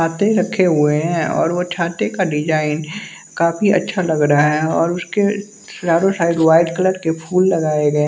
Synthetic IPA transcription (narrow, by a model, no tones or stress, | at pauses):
aːt̪eɾɐkʰːeɦʊeɦɛ̃ɔ̰ːɾʋot͡ʃʰaːt̪ekaɖɪd͡ʒaːɪn | kaːfiɐ̰tːʃʰalɐɡɾaaɦɛɔːɾʊske | sd͡ʒaːɾõsaːɪɖʋaːɪɖkələɾkepʰuːlːɐɡaːeɡɐe